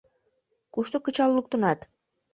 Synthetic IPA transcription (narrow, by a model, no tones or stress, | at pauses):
kuʃt̪ukːɯt͡ʃɑlˠlˠuk̚t̪unɑt̪